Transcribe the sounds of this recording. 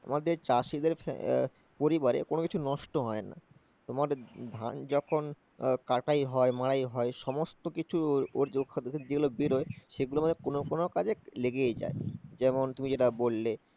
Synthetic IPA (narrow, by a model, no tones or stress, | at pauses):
a̰mad̪eɾt͡ɕaʃid̪eɾf | poɾibaɾḛkonokit͡ɕʰunɔʃʈoɦɔena̰ | t̪omaɾd̪ʱa̰nd͡ʑɔkʰon | kaʈajɦɔemaɽajɦɔeʃɔmost̪okit͡ɕʰuoɾokʰːad̪ekʰed͡ʑeɡulobiɾoeʃeɡuloamad̪eɾkonokonokad͡ʑeleɡeed͡ʑa̰ed͡ʑɛmont̪umid͡ʑeʈabolːe